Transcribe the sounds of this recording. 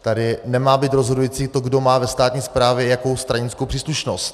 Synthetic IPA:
t̪adɪnɛmaːbiːt̪ɾozɦodujiːt͡siːt̪oɡdo̞maːvɛst̪aːt̪ɲiːspɾaːvjɛjako̞wst̪ɾaɲɪnt͡skowpr̥iːsluʃnost̪

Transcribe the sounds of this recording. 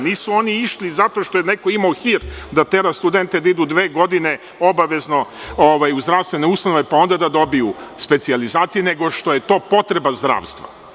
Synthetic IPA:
niːsuo̞niiʃlizat̪o̞ʃt̪ojenekoimaoxiɾd̪at̪e̞ɾast̪ud̪ent̪ed̪aid̪ud̪ʋe̞ːɡo̞d̪ine | o̞baʋe̞znooʋajuzd̪ɾaʋst̪ʋenoust̪anoʋe̞pao̞nd̪ad̪ad̪o̞bijuspe̞t̪sializaːt̪sijineɡo̞ʂt̪o̞jet̪o̞ːpo̞t̪ɾe̞bazd̪ɾa̰ːʋst̪ʋa̰

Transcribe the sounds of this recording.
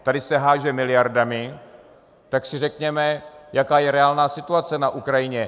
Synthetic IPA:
t̪adɪsɛɦaːʒɛmɪlɪjaɾdamɪ | t̪aksɪr̝ɛkɲɛmɛjakaːjɛɾɛaːlnaːsɪt̪uat͡sɛnaʔukɾajɪɲɛ

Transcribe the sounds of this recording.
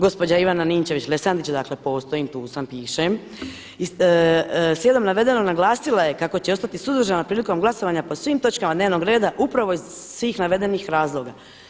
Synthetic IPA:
ɡo̞spo̞d͡ʑaiʋananiːmt͡ɕe̞ʋit͡ɕlesand̪it͡ɕad̪aːkle̞po̞ːst̪o̞imt̪uːsampiːʃem | i | sje̞d̪o̞mnaʋe̞d̪e̞no̞naɡlˠaːsilˠaje̞kako̞t͡ɕeo̞st̪at̪isuzd̪ɾʒanapɾiːliko̞mɡlˠaso̞ʋaɲapo̞sʋiːmt̪o̞t͡ʃkamad̪neːʋno̞ɡɾe̞ːd̪aʔupɾaʋo̞izsʋiːxnaʋe̞d̪e̞nixɾaːzlˠo̞ɡa

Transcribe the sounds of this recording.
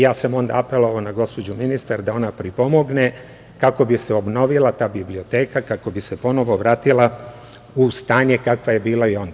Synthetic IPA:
jaːsamo̞nd̪a̰ape̞lo̞ʋaonaɡo̞spo̞d͡ʑuminist̪aɾd̪ao̞napɾipo̞mo̞ɡne̞ | kako̞biseo̞bno̞ʋilˠat̪aːbiblio̞t̪e̞ːkakako̞bise̞po̞no̞ʋo̞ʋɾaːt̪ila | ust̪aːɲe̞kakʋaje̞biːlaio̞nd̪a

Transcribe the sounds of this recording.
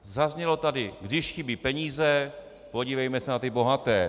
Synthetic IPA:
zazɲɛlo̞t̪adɪɡdɪʃxɪbipɛɲiːzɛ | po̞ɟiːvɛjmɛsɛnat̪ɪbo̞ɦat̪ɛː

